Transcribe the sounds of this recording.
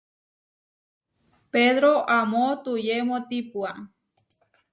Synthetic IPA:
peðɾoʔamõt̪ujemõt̪ipua

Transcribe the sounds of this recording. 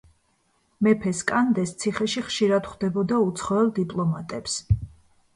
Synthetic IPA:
mɛpʰɛskʼand̪ɛst̪sʰiχɛʃiχʃiɾad̪χd̪ɛbɔd̪aut̪sʰχɔɛlˠd̪ipʼlˠɔmat̪ʼɛps

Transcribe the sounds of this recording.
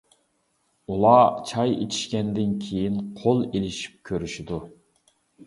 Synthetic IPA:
ulˠɑt͡ʃʰɑjḛt͡ʃ̪ʰi̥ʃkʲɛnd̪ɪnkʲʰejinqʰolˠelɪʃi̥p̚kʲʰøɾyʃid̪u

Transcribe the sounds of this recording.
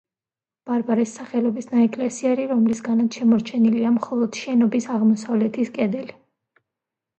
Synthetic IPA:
b̥aɾbaɾisːaχɛlɔbisnaɛkʼlɛsiaɾiɾɔmlisɡanat̪ʃɛmɔɾt͡ʃʰɛniliamχɔlˠɔd̪̥ʃɛnɔbisaʁmɔsavlɛt̪ʰiskʼɛd̪ɛli

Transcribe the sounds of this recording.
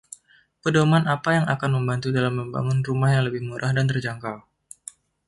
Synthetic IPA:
pədomanapajaŋakanməmbant̪udalamːəmba̰ŋʊnrumahjaŋləbɪhmuɾʔahdant̪ərd͡ʒaŋkal

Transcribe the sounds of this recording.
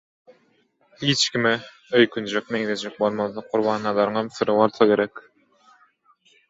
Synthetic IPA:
hit͡ʃkʲʰimi | øjkʰynd͡ʒøk̚neɡed̪ed͡ʒɛk̚bolˠmɑðɑqʰuɾbɑːnːɑlˠɑɾɯŋɑmsɯɾɯβolˠθɑkʲe̞ɾɛkʲ

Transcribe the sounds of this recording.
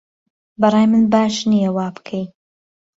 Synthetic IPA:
bɐɾˤɑːjmɨnbaːʃnijɐwaːbɨ̥kʰej

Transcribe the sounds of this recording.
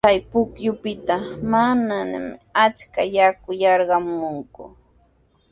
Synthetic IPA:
kajpʊkjʊpɪt̪amanana̰mɪat͡ʃkajakʊjɑɾɢɑmʊŋkʊ̰

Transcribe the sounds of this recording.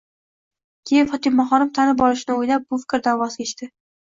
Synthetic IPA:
kʲʰejɪfɒt̪ɪmːaχɒnɪmt̪ʰanɪp̚ɒlɪʃɪnɪojlap̚bʊfɪ̥kʲɾd̪avɒzɡʲet͡ʃt̪ɪ

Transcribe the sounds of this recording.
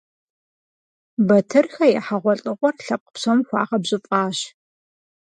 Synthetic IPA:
bɐtʰɨrxɐjɛħaʁʷɔɬʼɨʁʷɔrɬɐp̚qʼə̥pɕɐmxʷɑ̰ːʁɐbʑɪfʼɑːɕ

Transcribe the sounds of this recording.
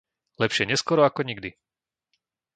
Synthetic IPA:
lɛpʃɪɛɲɛskɔɾɔakɔɲiɡd̪i

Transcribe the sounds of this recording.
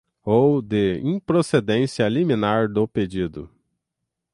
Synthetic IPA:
owd̪ɪḭ̃pɾosed̪ẽsiɐlimĩnaɾd̪ʊped͡ʒid̪ʊ̰

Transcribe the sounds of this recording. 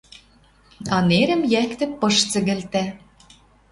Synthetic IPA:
ɑneɾɘ̆mjækt̪ɘ̆pɤ̆ʃt͡sɘ̆ɣɘ̆lt̪æ

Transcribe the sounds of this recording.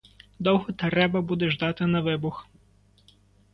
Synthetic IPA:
d̪ɔwɦɔt̪ɛɾɛbɐbud̪ɛʒd̪ɑt̪ɪnɐʋɪbʊx

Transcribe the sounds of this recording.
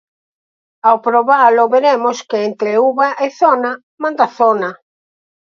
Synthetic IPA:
awpɾoβalʊβeɾemʊskɪent̪ɾeuβaʔeθɔna | mãnd̪aθɔna

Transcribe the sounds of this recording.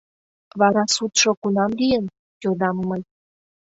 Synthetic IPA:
βɑɾɑsut̪ʃŏkunɑmlijən | tʲod̪ɑmːəj

